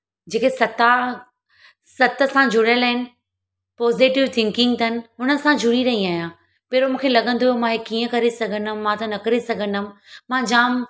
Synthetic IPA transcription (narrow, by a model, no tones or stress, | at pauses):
d͡ʑeːkesɐt̪a | sɐt̪ə̆sãd͡ʑʱʊɽələɦɪnɪ̆ | pɔːzɪʈɪʋt̪ʰɪ̃ŋkɪ̃ŋɡt̪ɐnɪ̆ɦʊnəsãd͡ʑʱʊɽiɾɐɦĩaːɦijãː | peːɾomũːkʰelɐɠə̃nd̪ojomãɦekːiːə̃kɐɾesɐɡʱə̃ndəmmãt̪ɐnɐkɐɾesɐɡʱə̃ndəmmãːd͡ʑaːm